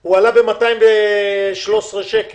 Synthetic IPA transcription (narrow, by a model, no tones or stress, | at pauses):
hualabe̞matajimveʃlosʁeʃek